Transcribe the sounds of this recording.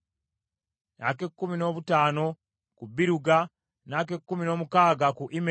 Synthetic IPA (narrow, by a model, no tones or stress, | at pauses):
na̰ke̞kːumino̞ːβutaːno̞ | kubiɾuɡa | naːk̬e̞kːumino̞ːmukaːɡakuʔime